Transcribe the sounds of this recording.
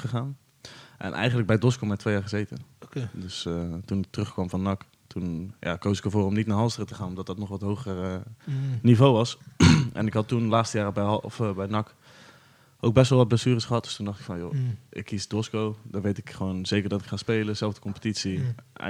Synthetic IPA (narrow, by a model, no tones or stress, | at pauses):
χəχaːn | ʔɛ̰nʔɛ̰jχəndləɡ̚bɛjdɔskomɛtʰʋejaːɹχəzejtə̰ndøstunɪk̚tərɵχkʋɑmvɔnːɑk | tunja̰ːkoːsɪkəvoːrɔmnitnaːɦɑlˠstərətəχaːnɔmdɔt̚dɔtnɔχʋɔtɦowχər | nivowʋɑsʔɛ̰nɪkɦɑtːunlaːtstəjaːrbɛfbɛjnɑk | oːkbɛstʋɛlˠʋɔd̚blesyːrəsχəɦɑt̚d̥ø̥stundɑχtɪ̥kfɔnjo̰ʔɪ̰kːisdɔskowdɔʋejtɪkχəʋoːnz̥ejkərdɔtɪkχaːspeːləz̥ɛlˠvdəkɔmpə̥titsḭ